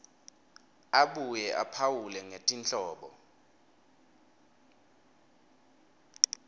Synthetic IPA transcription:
aɓujɛʔa̰pʰawulɛŋetʼint͡ɬʼɔːɓɔ

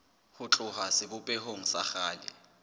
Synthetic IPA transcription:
hʊt͡ɬʼʊhasɪbʊpʼehoŋ̩saxaːlɪ̰

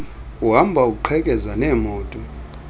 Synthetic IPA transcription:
uɦambʱauk̬ʼuǃʰɛkʼɛzanɛːmɔːtʼɔ

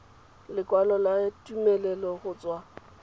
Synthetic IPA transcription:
lɪkʼwalɔlatʼumɛlɛlɔχʊt͡swa

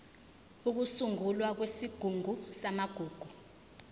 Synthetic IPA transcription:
uk̬usuŋulwak̬wesiɡ̥ʱuŋusamaɡ̥ʱuːɡ̥ʱu

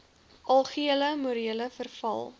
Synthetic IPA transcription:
ɐlˠχiələmuɾiələfərfɐ̰lˠ

